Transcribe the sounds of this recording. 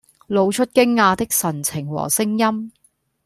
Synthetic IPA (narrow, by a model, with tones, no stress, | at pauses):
lo˨˧wt͡ʃʰɵ˥t̚kɪ˥ŋːaː˧t̪ɪ˥k̚sɐ˨˩nt͡sʰɪ˨˩ŋwɔ̰ː˨˩sɪ˥ŋjɐ˥m